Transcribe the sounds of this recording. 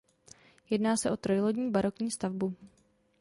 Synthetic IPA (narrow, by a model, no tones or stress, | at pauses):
jɛdnaːsɛʔo̞t̪ɾo̞jloɟɲiːbaɾo̞kɲiːst̪avbu